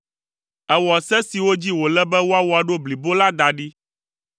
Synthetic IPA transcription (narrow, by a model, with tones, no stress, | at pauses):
ɛ˨wɔ˨sɛ˦si˨wo˦d͡ʑi˦wo˨lɛ˦bɛ˦wo˦a˦wo˦a˨ɖo˦bli˨bo˦la˦d̪a˨ɖi˦